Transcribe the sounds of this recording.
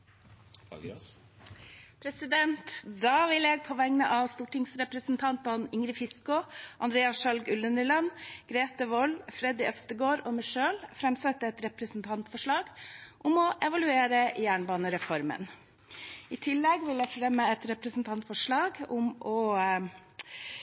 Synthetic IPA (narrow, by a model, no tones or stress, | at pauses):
pʰɾɛsɪd̪ɛnt̪d̪ɑːʋɪlɛɡ̚pʰɔʋɛŋnəʔɑʋst̪uːʈɪŋsɾɛpɾəsnt̪ʰɑnt̪ɑnɪŋɾɪfɪskʊʔɑnd̪ɾeːɑʃɑlɡʉlənəlɑnɡ̥ɾeːt̪əʋɔlfɾɛd̪ɪʔœfst̪əɡoːɾɔmɪʂøːlfɾɛmsɛt̪ːəɛt̪ɾɛpɾəsnt̪ʰɑnt̪fɔʂɭɑːɡʔʊmɔʔɛʋɑlʉeːɾəjæːɳbɑːnəɾɛfɔɾmə̰n | ɪt̪ʰɪlːɛɡʋɪlɛfɾɛmːəɛt̪ɾɛpɾəsn̩t̪ʰɑnt̪fɔʂɭɑːɡʊmɔ